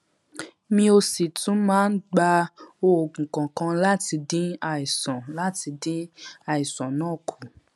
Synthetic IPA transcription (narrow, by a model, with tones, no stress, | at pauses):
mĩ˦o˧si˨tũ˨˦mãː˦n̩˦ɡ͡ba˧o˧o˨ɡ̩̃˨kɔ̃˨kã˧la˦ti˧dĩ˦a˨i˨sɔ̃˨la˦ti˧dĩ˦a˦i˨sɔ̃˨nãː˦˨kʰu˨